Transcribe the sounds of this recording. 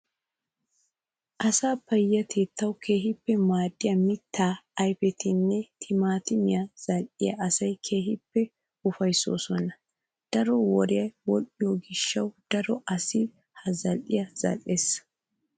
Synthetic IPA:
ʔɐsaːpːɐjːɐt̪ʰeːt̪ːɐwkʰeːɦɪpːɛmaːd̪ɪjɐmɪt̪ʰːaːɐjfɛt̪ɪnːɛt̪ʰɪmaːt̪ɪmɪjɐz̥ɐlʔɪjɐ̰ʔɐsɐjkʰe̞ːɦɪpːɛ | ʊfɐjso̰ːsɔnɐ | d̪̥ɐɾɔwɔɾɪjɐjwɔlɪjoɡɪʃːɐwd̪̥ɐɾɔʔɐsɪ | hɐzɐlʔɪjɐz̥ɐ̰lʔeːs

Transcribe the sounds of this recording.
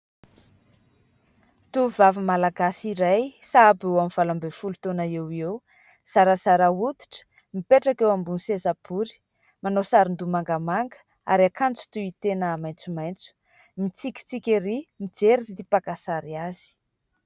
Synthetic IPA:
t̪uvavimalaɡasiɾajsabewamiv̥alambefulut̪onaewew | saɾasaɾaut̪i̥ʈ͡ʂə̥ | mipeʈ͡ʂakewambunisezapuɾi̥ | manosaɾind̪umaŋɡəmaŋɡə̥ | a̰ɾiakant͡su̥t̪uit̪enəːmajnt͡sumajnt͡su̥ | mit͡sikʲi̥t͡sikʲeɾimid͡zeɾiit̪ipakasaɾiazi̥

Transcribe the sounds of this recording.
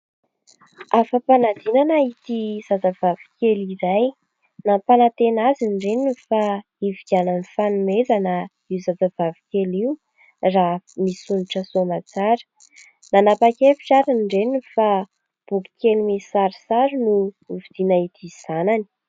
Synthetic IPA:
afəpanad̪inanait̪iz̥ad͡zavavi̥kʲeliɾaj | napanat̪enazinɖ͡ʐenifa | iviɡʲananifanumezanə | iwzad͡zavavi̥kʲeliu | ramisuniʈ͡ʂəsomat͡saɾə̥ | nanapakefi̥ʈ͡ʂaɾinɖ͡ʐenifa | b̥uki̥kʲelimisaɾisaɾinuvid̪̥inait̪iz̥anani̥

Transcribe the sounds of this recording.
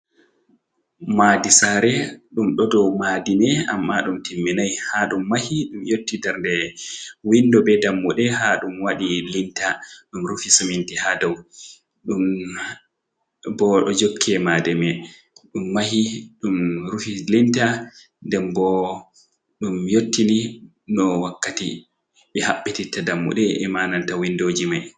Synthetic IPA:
maːdisaɾɛɗumɗɔdɔwmadinɛa̰mːaɗumtʰimːinajhaɗumːahiɗumjotːidɛɾndɛwindɔbɛdamːuɗɛɦaɗumwaɗilintaɗumɾufisamintihadɔw | ɗum | bɔɗɔd͡ʒokʰːɛmadɛmɛ | ɗumːahiɗumɾufilinta | ndɛmbɔ | ɗumjotːini | nɔwakːati | ɓɛhaɓːititːadamːṵɗɛɛmanantawindod͡ʒimaj

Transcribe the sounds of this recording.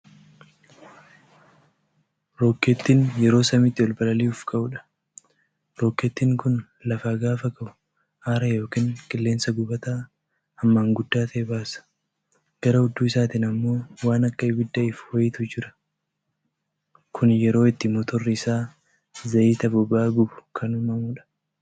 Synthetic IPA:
ɾoːkːɛt̪ːiːnjɛɾo̞ːsɐmɪt̪ːɪɔlbɐlɐliːʊfkʼɐʔʊᶑɐ̥ | ɾoːkːɛt̪ːiːŋkʊn | lɐfaːɡaːfɐkʼɐʔʊ̥ | ʔaːɾɐjo̞ːkiːŋkʼɪlːe̞ːnsɐɡʊbɐt̪a | ɐmːaːŋɡʊd̪ːaːt̪ʰɐʔɛbaːsɐ̥ | ɡ̥ɐɾɐhʊd̪ːuːɪsaːt̪iːnɐmːo̞ːwaːnɐkːɐɪbɪd̪ːɐɪfwɐjɪt̪ʊd͡ʒɪɾɐ̥ | kʰʊnjɛɾo̞ːɪt̪ːɪmɔt̪ɔrːɪɪsaː | zɐʔiːt̪ɐbʊbaːɡʊbʊ̥kʰɐnʊmɐmuːᶑɐ̥

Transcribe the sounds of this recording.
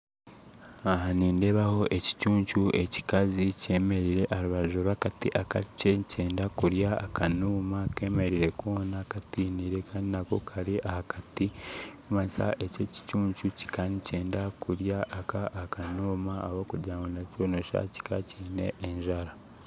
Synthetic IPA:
aɦaniːnde̞βaho̞ʔe̞ci̥cuːɲt͡ʃuʔe̞ci̥kazice̞ːme̞ɾiɾe̞ʔaɾiβaʒoɾakatḭʔaka̰ceceːndakuɾjaːkʰanuːmake̞ːme̞ɾiɾe̞konakatiːniɾe̞kʰaːndinako̞kʰaɾiʔahakatiumasa̰ʔe̞ceci̥cuːɲt͡ʃuci̥kanice̞ːndakuɾjaʔːkaʔːkanoːmaːβokuɾɟaːmɡonacoːnoʃa̰ci̥ka̰ciːne̞̰ʔːɲʒaɾa

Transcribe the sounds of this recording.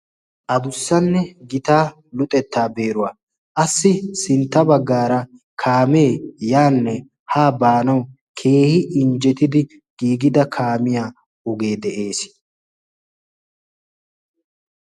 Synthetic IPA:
ʔɐbʊsːɐnːɛɡɪt̪aː | lʊt̪ʼɛt̪ːaːbeːɾʊwaː | ʔɐsːɪsɪnt̪ːɐbɐɡːaːɾɐkʰaːme̞ːjaːnːɛ | haːbaːnɐw | kʰe̞ːhɪʔɪnd͡ʒɛt̪ɪd̪ɪ | ɡ̥iːɡɪd̪ɐkʰaːmɪjaː | ɔɡe̞ːd̪ɛʔe̞ːs

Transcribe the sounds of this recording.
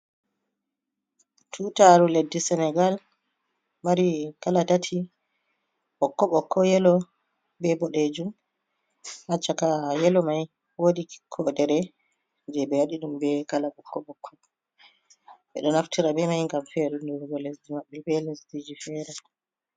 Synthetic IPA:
tʰutaɾuledːisɛnɛɡal | maɾikalatatʰi | ɓɔkːɔɓɔkʰːɔjɛlɔ | bɛbɔɗed͡ʒum | hat͡ʃːakajɛlɔmaj | woɗi̥kʰɔdɛɾɛ | d͡ʒɛbɛwaɗiɗumbɛkalaɓɔkʰːɔɓɔkʰːɔ | ɓɛ̰ɗɔnaftʰiɾabɛmajŋɡamfɛɾunduɾɡɔlesdimaɓːɛbɛlesdid͡ʒifɛːɾɛ

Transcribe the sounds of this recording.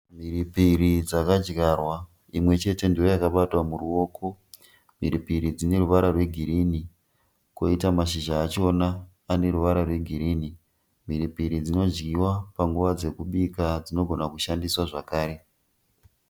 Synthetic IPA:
m̤iɾipiɾid͡zakad͡ʒɡarwa | imwe̞t͡ʃe̞te̞ndio̞jakaɓatwamuruo̞ːkʰo̞ | m̤iɾipiɾid͡zine̞ruʋaɾarwe̞ɡʱiɾini | ko̞itamaʃ̬iʒaːt͡ʃonaː | ne̞ɾuʋaɾarwe̞ɡʱiɾiːni | m̤iɾipiɾid͡zino̞d͡ʒɡiwapaŋɡuʋad͡ze̞kuɓikad͡zino̞ɡʱo̞nakuʃandiswaʐakaːɾe̞

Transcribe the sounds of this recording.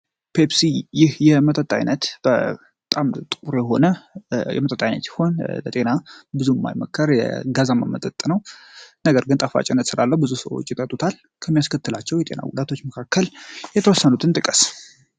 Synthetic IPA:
pʰepsijɪhjɛmət̪ʼət̪ʼːa̰jnət̪b̥ə | t̪ʼamt̪ʼɨkʼuɾjɛɦo̞̰nəjɛ̰mət̪ʼət̪ʼːajnə̰t̪sɪ̥ho̞nlət̪ʼe̞nabɨzumːa̰jməkʰːəɾjɛ̰ɡazamːamət̪ʼət̪ʼːnəwnəɡəɾɡɨnt̪ʼəfa̰t͡ʃʼɪnːət̪sɨlalːəhbɨzusəwo̰t͡ʃːɪt̪ʼət̪ʼːut̪ʰal | kʰəmːijaskʰət̪ːɨlat͡ʃːɛwjɛt̪ʼḛna̰ɡud̪at̪ʰo̞t͡ʃːməkʰakːəljɛt̪ʰəwɔsːənut̪ʰɨnt̪ʼɨkʼəs

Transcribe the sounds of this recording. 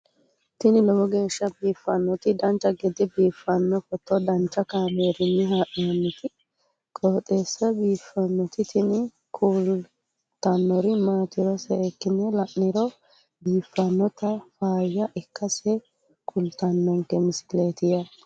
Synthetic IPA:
t̪ɪnɪlɔbɔɡe̞ːʃːɐbiːfːɐnːɔt̪ɪd̪ɐnt͡ʃːɐɡɛd̪ɪbiːfːɐnːɔfɔt̪ːɔd̪ɐnt͡ʃːɐkaːmeːɾɪnːɪɦaːʔɪɐnːɪt̪ɪ | kʼoːt̪ʼeːsːɐbiːfːɐnːɔt̪ɪt̪ɪnɪ | kʰuːl | t̪ɐnːɔɾɪmaːt̪ɪɾɔsɛɛkːɪnɛlɐʔːɪɾɔ | biːfːɐnːɔt̪ɐfaːjːɐʔɛkːɐsɛ | kʰʊlt̪ɐnːɔŋkɛmɪsɪ̥leːt̪ɪjɐ

